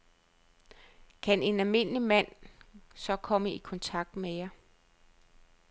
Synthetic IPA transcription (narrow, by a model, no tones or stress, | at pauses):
kʰæne̝nælme̝n̰əlimæn̰sɒ̽kʰɒ̽məikʰɒ̽nt͡sʰɑ̈ɡ̥̚d̥mejɑ̈